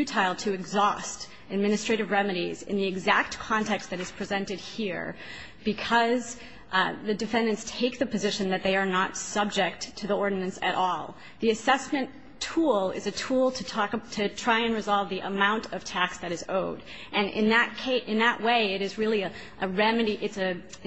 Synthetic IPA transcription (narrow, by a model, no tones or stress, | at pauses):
ʉtʰaɪlˠtʰɨɨɡzɔst | ɨd̚mɪ̃ñɨstɹ̥eɪɾɨvɹɛmɨɾizɨ̰̃nðiɨɡzæk̚t̚kʰɑ̃ntʰɛkst̪̚ðɨɾɨz̥pʰɹ̥izɛ̃ntɨd̚hiɹ | b̥ɨkʰʌz | ðɨdɨfɛ̃ndɨ̃ntstʰeɪk̚ðɨpɨzɪʃɨ̃nðɨt̪̚ðeɪə˞nətsʌb̚d͡ʒɪk̚tʰɨðiɔɹdⁿn̩ɨ̃nsɨɾʔɔlˠ | ðiɨsɛsmɨ̃n | tʰulˠɪ̰zɨtʰulˠtʰɨtʰtʰɨtʰɹ̥aɪɨ̃nɹɨzɑlˠvðiʔəmãʊ̃ntʰʌv̥tʰæksðɨɾɨzoʊɾ | ʔɨ̃nɪ̰̃nðɨt̚kʰeɪʔɨ̃nðəʔweɪɪɾɨzɹɪlˠiɨ | ʔəɹɛmɨɾiʔɨtsɨ